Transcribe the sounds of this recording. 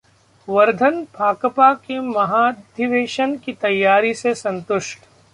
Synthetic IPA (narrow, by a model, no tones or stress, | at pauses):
ʋɐɾd̪ʱənpaːkəpakemɐɦaːdd̪ʱɪʋeːʃənkit̪ɐjːaːɾisesɐ̃nt̪ʊʃʈ